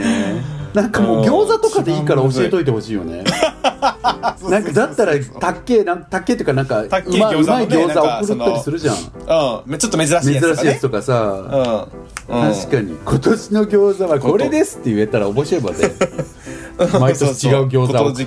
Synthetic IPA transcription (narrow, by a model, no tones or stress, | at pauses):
nãŋkamo̞ːɡʲo̞ːzat̪o̞kad̪e̞iːkaɾao̞ɕie̞t̪o̞it̪̬eho̞ɕiːjo̞̰ne̞̰ | nãŋkad̪at̪ːaɾat̪akːe̞ːnãŋkt̪akːe̞t̪okanãŋkaɯmaɯmaiɡʲo̞ːzaokɯɾɯ̟t̪ːaɾisɨɾɯ̟ʑã̰ | ot̪ːoeme̞zɨɾaɕiːjat͡sɨ̥t̪o̞kasa | t̪aɕi̥kaɲ̟ḭkʰo̞t̪o̞ɕino̞ɡʲo̞ːzaβako̞ɾe̞d̪e̞sɨ̥t̪ːe̞ɯ̟e̞t̪aɾa̰o̞bo̞ɕioba̰d̪ḛ | mait̪oɕii̥t͡ɕiɡaɯ̟ɡʲo̞ːza